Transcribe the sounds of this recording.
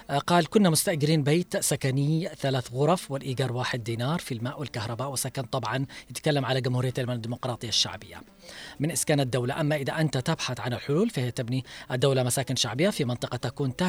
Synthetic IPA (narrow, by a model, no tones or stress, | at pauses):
qɑːlkʊnːamʊst̪aʔɡɪɾiːnbeːt̪sakanɪjθalaːθɣʊɾˤɑfwɪlʔiːɡɑːɾˤwaːħɪd̪̚ːiːnɑːɾˤfilmaːʔwɪlkahɾˤɑbaːʔwɪsakant̪ˤɑbʕɑnjɪt̪kalːamʕalaɡʊmhuːɾɪjːaʔ̪almanad̪ːiːmʊqɾˤɑːt̪ˤɨjːaʃːa̰ʕbɪjːa̰ | mɪnʔɪskaːnad̪ːawlaʔamːaʔɪðaʔant̪at̪abħaθʕanɪlħʊluːlfahɪjːat̪abniʔad̪ːawlamasaːkɪnʃaʕbɪjːafimɑnt̪ˤɨqɑt̪akuːnt̪a